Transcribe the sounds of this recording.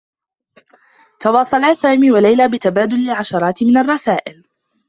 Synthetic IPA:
t̪ɑwɑːsˤɑlaːsaːmiːwalajlaːbɪt̪abaːd̪ʊlːɪlʕaʃɑɾˤɑːt̪mɪnarˤːɑsaːʔɪl

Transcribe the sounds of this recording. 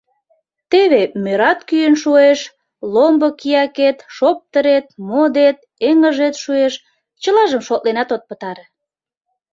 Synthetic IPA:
t̪eβemøɾɑt̪kyjənʃueʃ | lombəkijɑket̪ʃop̚t̪əɾet̪̚mod̪et̪̚ | eŋəʒet̪ʃueʃ | t͡ɕəlɑʒəmʃot̪ʔ̪lenɑt̪ot̪̚pə̆t̪ɑɾe

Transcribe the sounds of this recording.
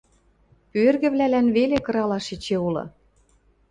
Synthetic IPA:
pørɣɘ̆βlælænβelekɤ̆ɾɑlɑʃit͡ɕeulɤ̰̆

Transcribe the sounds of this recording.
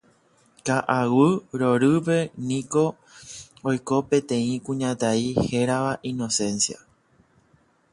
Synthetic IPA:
kaʔawɨɾo̞ɾɨpe̞nĩko̞ | ojko̞pẽ̞t̪ẽ̞ĩkũɲãt̪aihe̞ɾaʋaʔĩno̞sẽ̞nsia̰

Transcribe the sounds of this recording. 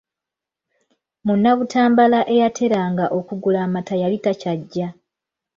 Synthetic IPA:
munːaβutʰaːmbalaʔe̞jatʰe̞ɾaːŋɡaʔo̞kuɡulaːmatajaβitacaɟːa

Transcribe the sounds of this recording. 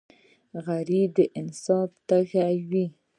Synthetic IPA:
ɣaɾid̪əʔɪnsɑbt̪axawi

